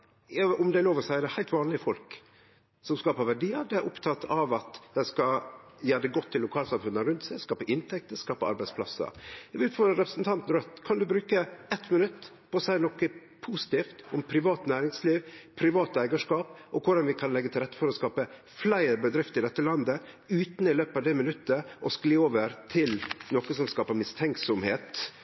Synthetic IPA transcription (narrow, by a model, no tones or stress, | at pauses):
jɑʔʊmd̪ɛɪloːʋɔsæɪəd̪æhæɪlt̪ʋɑːnlɪəfɔlk | sɔmskɑːpəʋæɖiːəd̪ɛæɾʔʊpt̪ʰɑt̪ʰːɑʋɑt̪d̪ɛɪskɑjæːɾəd̪ɛɡɔt̪ʰːɪlːʊkʰɑːlsɑmfʉnːəɾʉnt̪sæɪskɑːpəʔɪnt̪ʰɛk̚t̪əskɑːpəɑ̰ɾbæɪspʰlɑ̰sə̰ɾʉːt̪fɔdəɾɛpɾəsnt̪ʰɑnt̪nɾœt̪kʰɑnd̪ʉbɾʉːkəɛt̪mənʉt̪ː | pʰɔsæɪnɔkə | pʰusɪ̥t̪iːft̪ʊmpʰɾɪʋɑːt̪næːɾɪŋsliːʋpʰɾɪʋɑːt̪əæɪɡəʂkɑːpɔkʰʊɖɑnʋɪkʰɑnlɛɡːət̪ʰɪlɾɛt̪ːə̥fɔɾɔskɑːpə | flæɪəbəd̪ɾɪft̪ɪd̪ɛt̪ːəlɑnd̪ə | ʉːt̪n̩ɪløːpɑʋd̪ɛmɪnʉt̪ːəʔɔskliːoːʋəɾt̪ʰɪlnɔkəsɔmskɑːpəɾmɪst̪ʰɛŋksɔmheːt̪